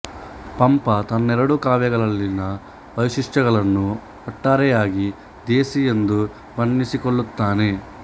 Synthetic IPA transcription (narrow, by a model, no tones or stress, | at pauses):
pɐmpɐt̪ɐnːɛɾɐɽukaːʋjɐɡɐɭɐɭːinɐ | ʋɐʋiʂiʂʈɐɣɐɭɐnːu | ɐʈːaːɾɛjaːɡi | d̪eːsijend̪u | pɐnːisikoɭːut̪ːaːne̞